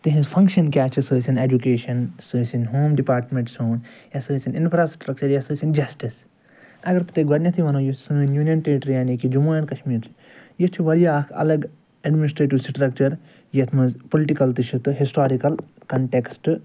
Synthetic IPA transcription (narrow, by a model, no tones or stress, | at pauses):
t̪ɨɦĩzpʰɐ̃ŋkʃɐnkʲaːt͡ʃʰisɨːsineːd͡ʒukeːʃɐnsɨːsinɦoːmɖipaːɾʈmẽɳʈsoːnjɐsɨːsininpʰɾaːsʈɾɐk̚t͡ʃɐɾjɐsɨːsind͡ʒɐsʈis | ɐɡɐɾpɨt̪eɡʋɐɾnʲɐt̪ʰiʋɐnoːjisɨːnjuːnjɐnʈeːʈɾjaːnikid͡ʒumaːɐnkɐʃmiːɾt͡ʃʰi̥ | jit͡ʃʰiʋɐɾijaːkʰɐ̰lɐɡ | ɐɖminisʈɾeːʈiʋsʈɾɐk̚t͡ʃɐɾ | jɐt̪ʰmɨzpoliʈikɐlt̪ɨt͡ʃʰit̪ɨɦisʈaːɾikɐlkɐɳʈeksʈ